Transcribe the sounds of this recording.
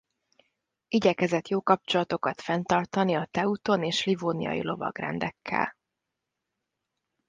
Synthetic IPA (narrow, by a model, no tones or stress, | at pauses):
iɟɛkɛzɛt̪joːkɒp̚t͡ʃo̞lɒt̪o̞kɒt̪fɛnt̪ɒrt̪ɒniɒt̪ɛut̪oneːʃlivoːnḭjɒ̰jḭlo̞vɒ̰ɡrɛ̰nd̪ɛkʰːɛ̰l